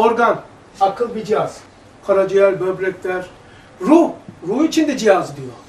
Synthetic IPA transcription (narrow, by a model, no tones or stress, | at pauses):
oɾɡan | akʰɯlˠbid͡ʒiaz̥ | kʰaɾad͡ʒijælʲbøbɾɛc̚ʲlʲæɾ | ɾuɾuit͡ʃʰind̪ɛd͡ʒijazd̪ijo